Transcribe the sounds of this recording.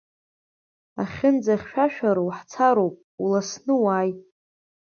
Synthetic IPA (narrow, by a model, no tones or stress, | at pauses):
a̰χʲɪnd͡zaχʲʃᶣaʃᶣaɾawħt͡sʰaɾowpʼulasnɨwaːj